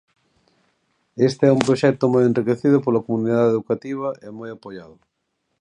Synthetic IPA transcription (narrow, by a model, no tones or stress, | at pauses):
est̪ɪɛumpɾoʃɛk̚t̪ʊmojenrikeθiðʊpolɐkomuniðaðeðukat̪iβ̞ɐʔɪmojapoʎaðʊ